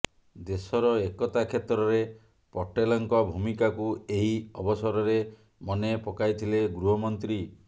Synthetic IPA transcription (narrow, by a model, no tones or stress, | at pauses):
d̪esɔɾɔekɔt̪akʰet̪ɾɔɾe | pɔʈelɔŋkɔbʱumikakueɦiɔbɔsɔɾɔɾe | mɔnepɔkajt̪ʰileɡɾuɦɔmɔnt̪ɾi